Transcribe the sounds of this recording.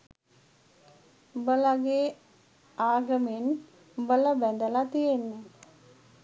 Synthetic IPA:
bəlaɡeː | aːɡəmen | bələbɛnd̪əlat̪ijenːe

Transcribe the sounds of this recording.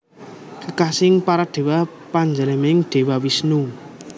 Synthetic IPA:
kəkasɪŋpaɾaɖ̥e̤wa | paɲd͡ʒələmɪŋɖ̥e̤wawisnu

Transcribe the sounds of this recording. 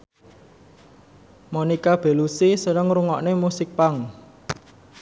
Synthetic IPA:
monikab̥e̤lusisənəŋɾuŋɔʔnemusɪk̚paŋ

